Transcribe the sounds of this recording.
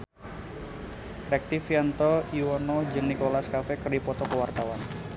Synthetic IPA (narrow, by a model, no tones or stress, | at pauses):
ɾɛk̚t̪ifjant̪ɔiwɔnɔd͡ʒɨŋnikolaskafɛkɨrdipɔt̪ɔkəwart̪awan